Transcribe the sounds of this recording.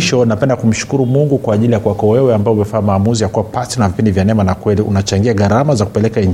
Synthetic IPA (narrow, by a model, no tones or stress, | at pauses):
ʃɔnapɛndakum̩ʃu̥kuɾumuŋɡukwaːʄilijakuwakɔwɛwɛambaɔumɛfaːmaːmuzijakuwapasinavipindivjanɛmanakwɛliunat͡ʃaŋɡiaɠaɾamazaku̥pɛlɛkaiɲ